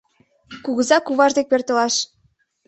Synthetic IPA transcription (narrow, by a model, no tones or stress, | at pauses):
kuɣəzɑkuβɑʒd̪ek̚pert̪ə̆lɑʃ